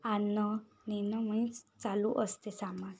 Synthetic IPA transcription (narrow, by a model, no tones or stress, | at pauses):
anːɔ | ninɔmɔnĩt͡saluʔəst̪esamã